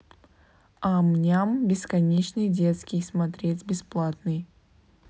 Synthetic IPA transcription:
amnʲambʲɪskɐnʲet͡ɕnɨjdʲet̪skʲɪjsmɐt̪ɾʲetʲbʲɪsplˠat̪nɨj

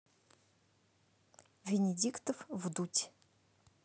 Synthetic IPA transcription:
vʲenʲedʲikt̪ʰəfvd̪utʲʰ

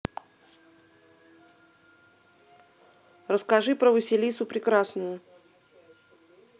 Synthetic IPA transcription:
rəskɐʐɨpɾəvʊsʲɪlʲisʊpɾʲɪkɾasnʊjʊ

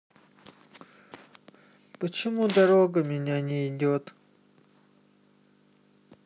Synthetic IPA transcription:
pət͡ɕɪmud̪ɐɾoɡəmʲɪnʲanʲɪɪdʲot̪

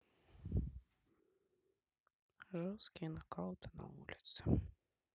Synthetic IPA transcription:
ʐɔskʲinɐkɑwt̪ɪnɐ̰vṵlʲit̪sɨ̥

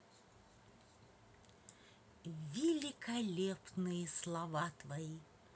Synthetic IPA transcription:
vʲɪlʲɪkɐlʲepnɨjəslˠɐvat̪vɐi

